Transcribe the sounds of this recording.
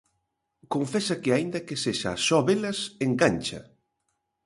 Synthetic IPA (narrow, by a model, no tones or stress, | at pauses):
koɱfɛsɐkɪaind̪ɐkeseʃa̰ːsɔβelɐseŋɡanʲt͡ʃɐ̰